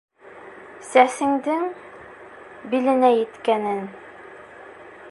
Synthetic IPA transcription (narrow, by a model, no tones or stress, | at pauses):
sæsɘ̆ŋd̪ɘŋ | bilɘ̆næjɘ̆t̪kænɘn